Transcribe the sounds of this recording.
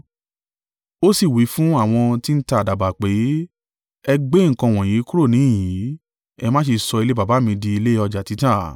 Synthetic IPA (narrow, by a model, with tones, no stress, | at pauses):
o˦si˦˨wi˨˦fũ˦a˦˨w̃ɔ̃˧ti˦n̩˦ta˧˨da˨ba˨k͡pe˨˦ | ɛ˧ɡ͡be˦ŋ̩˨kã˧˨w̃ɔ̃˨j̃ĩ˨˦kũ˦ɾo˦˨nĩ˨˦ĩ˦˨jĩ˨˦ | ɛ˧mãː˦ʃi˧sɔ˧i˧le˦ba˨ba˨˦mĩ˧di˧i˧le˦ɔ˧d͡ʒa˨ti˨˦tã˦˨